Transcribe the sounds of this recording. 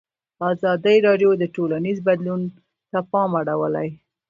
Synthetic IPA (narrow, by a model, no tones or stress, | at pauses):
ɑzɑd̪əjɾɑɖjod̪əʈolanizbad̪lun | t̪apɑmaɽawəla̰j